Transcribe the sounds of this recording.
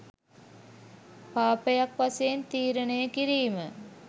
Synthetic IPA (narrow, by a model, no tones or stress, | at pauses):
paːpəjakʋaseːnt̪iːɾənəjəkiɾiːmə